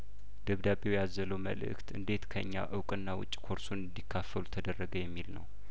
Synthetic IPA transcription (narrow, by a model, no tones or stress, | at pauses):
d̪̥əβd̪abewjazələwmə̰lɨ̰kt̪ɨ̰nd̪e̞t̪kʰəɨ̰ɲːa̰ʔɨwkʼɨnːawʊ̰t͡ʃʼːi̥kʰo̞ɾsunɨnd̪ikʰːafːəlut̪ʰəd̪ərːəɡəjɛmːilnə̰w